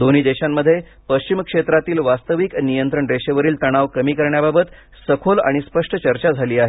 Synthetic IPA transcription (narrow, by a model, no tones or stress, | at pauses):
d̪oniːd̪eɕamːəd̪ʱːje | pəɕt͡ɕimkʂet̪ɾat̪iːlʋast̪əʋiknijənt̪ɾəɳɾeɕəʋəɾiːlt̪əɽ̃aʋkəmiːkəɾɳjababət̪ | səkʰola̰ɽ̃ispəʂʈʰət͡ɕəɾt͡ɕad͡zʱaliːaɦe